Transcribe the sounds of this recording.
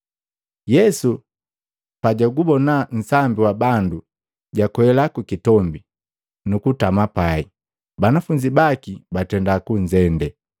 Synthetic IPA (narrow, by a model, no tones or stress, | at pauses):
jɛsu | paɟaɡubɔnan̩sambiwabandu | ɟakwɛlakukitɔmbi | nukutamapai | banafuɲd͡ʒibakibatɛndakuɲd͡ʒɛndɛ